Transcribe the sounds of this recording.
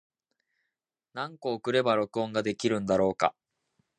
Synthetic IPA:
nãŋko̞ːkɯ̟ɾe̞baɾo̞kɯ̟õ̞ŋɡad̪e̞kʲiɾɯ̟̃nd̪aɾo̞ːka̰

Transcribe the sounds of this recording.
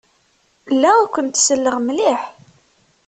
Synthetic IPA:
lːækʷənt̪səlːəʁmliħ

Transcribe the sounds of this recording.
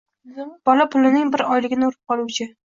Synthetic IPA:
b̥ɒlapʰʊlɪnɪŋbɪɾɒjlɪɡʲɪnɪuɾɪp̚qʰɒlˠuwt͡ʃʰɪ

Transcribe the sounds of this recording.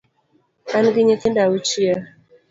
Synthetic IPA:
anɡiɲekendawut͡ʃija

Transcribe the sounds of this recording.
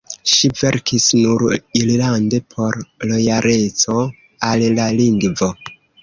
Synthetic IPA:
ʃive̞ɾkisnuɾillande̞pʰo̞ɾlo̞jaɾe̞t͡so̞ | allaliŋɡvo̞

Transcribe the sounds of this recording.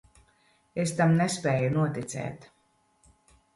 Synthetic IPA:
est̪amnespɛːjunuɔt̪it̪sɛ̰ːt̪

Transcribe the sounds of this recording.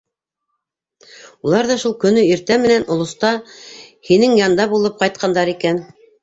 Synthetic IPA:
ulˠɑɾðɑʃulˠkɵ̆nɵiɾt̪æmɘ̆nænŏlˠŏst̪ɑhinɘŋjɑnd̪ɑbulˠɤp̚qɑjt̪̚qʰɑnd̪ɑɾikæn

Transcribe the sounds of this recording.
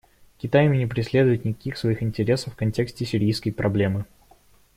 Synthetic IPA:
kʲɪt̪ajɪmʲɪnʲɪpɾʲɪsʲlʲe̞d̪ʊjɪt̪nʲɪkɐkʲixsvɐixɪnʲtʲɪɾʲe̞səfːkɐnʲtʲe̞ksʲtʲɪsʲɪɾʲijskəjpɾɐblʲe̞mɨ

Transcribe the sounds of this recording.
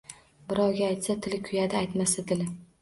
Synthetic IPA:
bɪɾɒwɡʲaajt̪sat̪ʰɪlɪkʲʰʊjad̪ɪːjt̪masad̪ɪlɪ

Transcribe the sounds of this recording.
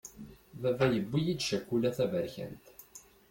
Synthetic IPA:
vævæjəbːijid̪ʃækʷːulæθævəɾçə̰nt̪

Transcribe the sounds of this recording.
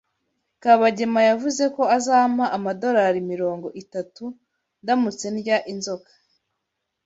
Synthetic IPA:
kaβaɟe̞majavuze̞ko̞azaːmaʔamado̞ɾaɾimiɾo̞ːŋɡo̞ʔitatu | ndamut͡se̞nɟaʔinzo̞kḁ

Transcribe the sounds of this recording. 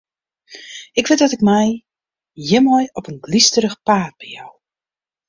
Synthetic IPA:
ɪkʋɪt̚dɔtɪkmɛj | jɪmɔjɔpənɡlistəɾəxpaːt̚b̥ɛjaw

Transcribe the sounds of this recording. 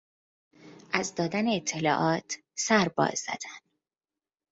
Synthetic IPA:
ʔæzd̪ɒːd̪æneːt̪ʰːe̞lɒːʔɒːt̪ʰ | sæɾbɒ̰ːzːæ̰d̪̥æn

